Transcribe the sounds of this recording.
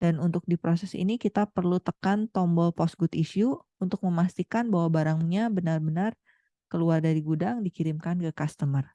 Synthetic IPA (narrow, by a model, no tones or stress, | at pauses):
d̥anunt̪ʊk̚dipɾosɛsḭnikit̪apərlut̪əkant̪ɔmbɔlpɔsɡut̪isuː | nt̪ʊk̚məmast̪ikanbaɦwabaɾaŋɲabənarbənar | kəluardaɾiɡudaŋdikiɾɪmkankəkast̪əmər